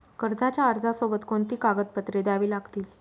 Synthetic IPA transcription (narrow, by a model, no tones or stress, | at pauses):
kəɾd͡zat͡ɕjaəɾd͡zʱasobət̪kont̪iːkaɡəd̪̚pət̪ɾed̪aʋiːlaɡt̪iːl